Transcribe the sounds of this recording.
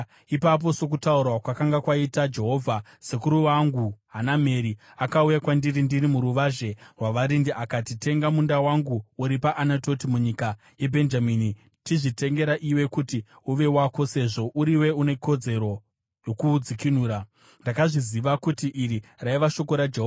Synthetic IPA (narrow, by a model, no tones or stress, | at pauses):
ipap̬o̞so̞k̬utauɾwakwakaŋɡakwaitad͡ʒe̞ɦo̞vʱa | sekuɾuwaŋɡuɦanameɾi | akaujakwandirindirimuɾuʋaʒe̞rwaʋaɾindiʔakatite̞ŋɡamundawaŋɡuuɾipaʔanato̞timuɲika | je̞bʱe̞nd͡ʒamiːni | tiʐite̞ŋɡe̞ɾaʔiwe̞kuti | uʋe̞wako̞se̞ʐo̞ʔuɾiwe̞une̞ko̞d͡ze̞ɾo̞ | jo̞kuːd͡zikinuːɾa | ndakaʐiziʋakutiʔiriraiʋaʃo̞ko̞ɾad͡ʒeɦova